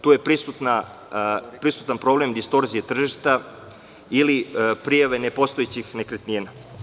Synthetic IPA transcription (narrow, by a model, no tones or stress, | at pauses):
t̪uːjepɾisut̪na | pɾisu̥t̪anpɾoblemd̪ist̪o̞ɾzijet̪r̩ʒiʃt̪a | ilipɾijaʋene̞po̞st̪oet͡ɕixnekɾet̪niːna